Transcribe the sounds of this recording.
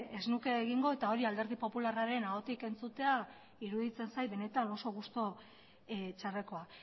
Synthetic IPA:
eznuke̞ːɣiŋɡo̞e̞t̪ao̞ɾiald̪e̞ɾð̞ipo̞pularaɾe̞nao̞t̪ike̞nt͡sut̪e̞a | iɾuðit͡se̞nsajβe̞ne̞t̪ano̞so̞ɣ̞ust̪o̞ | t͡ʃare̞ko̞a

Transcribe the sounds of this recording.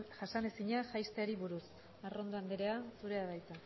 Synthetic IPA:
ʝasane̞siɲaʝajst̪eaɾiβuɾus | aro̞nd̪oand̪eɾeasuɾe̞aβajt̪a

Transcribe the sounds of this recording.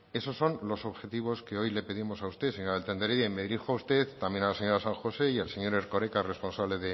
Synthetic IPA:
e̞so̞sːo̞nlo̞so̞βxe̞t̪iβ̞o̞ske̞o̞jle̞pe̞ðimo̞saust̪e̞seɲoɾaelt̪end̪eɾeðemeðiɾixoaust̪eθt̪amjenalase̞ɲo̞ɾasãŋxo̞se̞ielse̞ɲo̞ɾeɾko̞ɾekare̞spo̞nsaβle̞ðe̞

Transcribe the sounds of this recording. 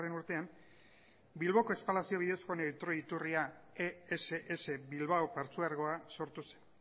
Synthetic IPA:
re̞nuɾt̪e̞am | bilβ̞o̞ko̞espalasio̞βiðe̞sko̞net̪ɾo̞it̪uriaeeseʔese̞bilβawpaɾt͡suaɾɣo̞aso̞ɾt̪use̥n

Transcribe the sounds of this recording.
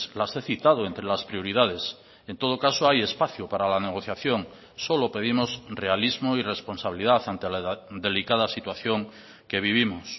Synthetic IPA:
slase̞θit̪að̞oent̪ɾe̞laspɾio̞ɾiðað̞e̞s | ent̪o̞ð̞okasoaje̞spaθjopaɾalane̞ɣ̞o̞θjaθjo̞ŋ | so̞lo̞pe̞ðimo̞sre̞alizmoire̞spo̞nsaβiliðaθant̪e̞laðe̞likað̞asit̪waθjoŋ | ke̞β̞iβ̞imos

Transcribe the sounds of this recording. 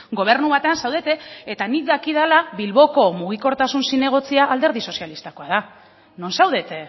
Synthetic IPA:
ɡo̞β̞e̞ɾnuβat̪e̞ansawðe̞t̪eet̪anikðakið̞alaβilβo̞ko̞muɣ̞iko̞ɾt̪asunsine̞ɣ̞o̞t͡siaʔːld̪e̞ɾð̞iso̞sialist̪ako̞að̞a | no̞nsawðe̞t̪e

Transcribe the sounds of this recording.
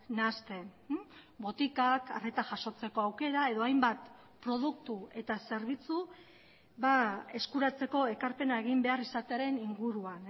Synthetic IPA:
nast̪e̞ | bo̞t̪ikaka̰re̞t̪aʝaʃo̞t͡se̞ko̞awke̞ɾae̞ðo̞ajmbat̪ | pɾo̞ð̞uk̚t̪ue̞t̪ase̞ɾβ̞it͡su | βae̞skuɾat͡se̞ko̞e̞kaɾpe̞nae̞ɣ̞imbe̞arisat̪eaɾe̞niŋɡuɾuan

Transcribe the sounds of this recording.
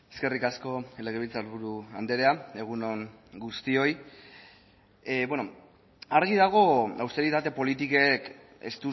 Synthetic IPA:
eske̞rikasko̞ele̞ɣeilt͡saoɾβuɾuand̪eɾeae̞ɣ̞uno̞ŋɡust̪io̞j | bweno | aɾɣiðaɣ̞o̞a̰wst̪e̞ɾit̪at̪e̞po̞lit̪ikek | ḛst̪u

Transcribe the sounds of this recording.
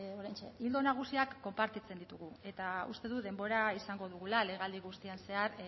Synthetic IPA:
oɾajnt͡ʃḛild̪o̞naɣ̞usiakːo̞mpaɾt̪it͡se̞nd̪it̪uɣ̞ue̞t̪aṵst̪e̞ðuðe̞mbo̞ɾaisaŋɡo̞ð̞uɣ̞ulale̞ɣald̪iɣ̞ust̪ianse̞aɾ

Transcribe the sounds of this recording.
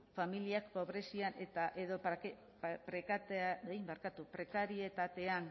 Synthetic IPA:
familiakːo̞βɾe̞sianet̪aʔeðo̞ke | pɾekat̪eijmbaɾkat̪upɾe̞kaɾie̞t̪at̪e̞an

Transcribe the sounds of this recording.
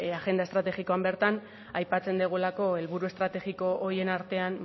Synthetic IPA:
aɣe̞nd̪aest̪ɾat̪e̞ɣiko̞ambe̞ɾt̪an | ajpat͡se̞nd̪iɣ̞ulako̞e̞lβuɾue̞st̪ɾat̪e̞ɣiko̞ʔːie̞naɾt̪e̞an

